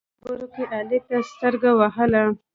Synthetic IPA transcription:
bəɾokeʔalet̪ast̪əɾɡawaɦəla

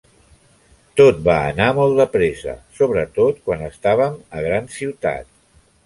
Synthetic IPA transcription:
t̪ot̪̚baə̰namɔlˠd̪əpɾezə̰soβɾət̪ot̪kwanəst̪aβ̞əməɣɾansiwt̪a̰t̪̚

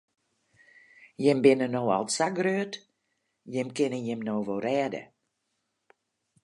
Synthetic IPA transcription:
jɪmbɪnənoːɔ̰lˠtsaɡrøət | jɪmkɪnəjɪmnoːʋoːrɛːdə̰

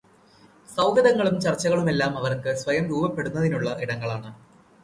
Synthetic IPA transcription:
sɐwɡɐðɐŋːɐɭumt͡ɕɐrt͡ɕːɐɣɐɭume̞lːaːmɐʋɐrkɨsʋɐjɐmɾuːbɐpːe̞ɽunːɐðinuɭːɐʔiɽɐŋːɐɭaːɳɨ

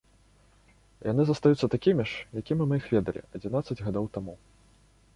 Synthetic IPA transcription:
janɨzɐst̪ajut̪sɐt̪akʲimʲiʂjakʲimʲimɨixvʲɛd̪ɐlʲḭɐd͡zʲinat̪sɐd͡zʲɣad̪owt̪amu

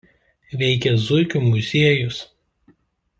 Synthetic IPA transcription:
ʋʲɛɪkʲɛzʊɪkʲumʊzʲiɛjʊs

